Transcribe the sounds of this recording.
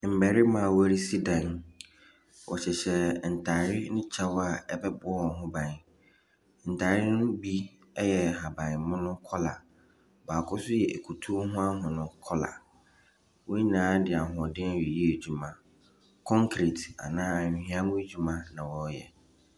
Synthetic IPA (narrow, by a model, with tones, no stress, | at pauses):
m̩˨bæ˨ɾɪ˦mã˨wæ˦ɾi˦si˦dã˨n | wɔ̰˨ɕɛ˨ɕɛ˨n̩˨tʰa˨ɾɪ˦nʊ̃˦t͡ɕʰa˦wa˨ɛ˦bɛ˦bʊ˦ɔ˦wɔ˨ɦʊ̃˦bã˨n˨ | n̩˨tʰaː˨ɾɪ˦nʊ̃˦bi˦ | ɛ˦jɛ˨ɦa˨bã˨n˨mʊ̃˦nʊ̃˦kʰɔ˦la̰˨ | baː˨kʰɔ˦sʊ˦jɛ˨ʔæ˨kʰu˨tʰu˦ɦʊ̃˦a˦ɦʊ̃˨nʊ̃˦kʰɔ˦la̰˨ | wɔ˦ɲi˦nãː˨˦dɪ˨a˨ɦʊ̃˨ɔ˨dɪ̃˦˨ɛ˨ji˦e˨d͡ʑu˨mã˨ | kʰɔ̃˦ŋkʰɾi˨ta̰˨nãː˦a˨ɪ̃˨hĩ˦ã˦mʊ̃˦e˦d͡ʑᶣu˨mã˦nã˨wɔ˨˦jɛ˨